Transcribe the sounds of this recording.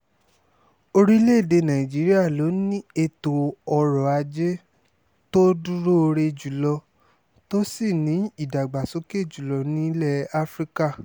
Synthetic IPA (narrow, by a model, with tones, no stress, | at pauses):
o˧ɾi˦le˦˨de˧nã˨ĩ˨d͡ʒi˨˦ɾi˦a˦˨lo˨˦nĩ˦e˧˨to˨ɔ˧ɾɔ˨a˧d͡ʒe˦ | to˦du˦ɾo˦o˧ɾe˧d͡ʒu˨lɔ˧ | to˦si˦˨nĩ˨˦i˦˨da˨ɡ͡ba˨so˨˦ke˦˨d͡ʒu˨lɔ˨˧nĩ˨˦lɛ˦˨a˦fɾi˦ka˦˨